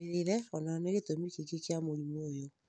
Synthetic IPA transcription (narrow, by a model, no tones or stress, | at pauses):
eɾeɾɛɔnaneɣetomikekekeamoɾimoːjo